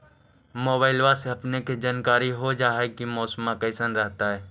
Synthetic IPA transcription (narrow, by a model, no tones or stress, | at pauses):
moːbaːɪlwaseɐpneked͡ʒaːnkaːɾiɦod͡ʒaːɦekimɔːsəmːãkəɪsənɾɛɦt̪aɦɛː